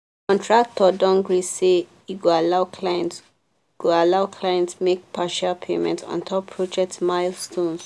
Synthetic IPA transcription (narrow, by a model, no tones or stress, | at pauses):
kɔ̃ntʰɹak̚tʰɔdɔ̃ŋɡɹise | iɡoalaʊkʰlajɛ̃nt | ɡ̥oalaʊkʰlajɛ̃ntmek̚pʰaʃapʰḛmɛ̰̃ntɔ̰̃ntʰɔpʰɹɔd͡ʒɛk̚tmaɪlstõns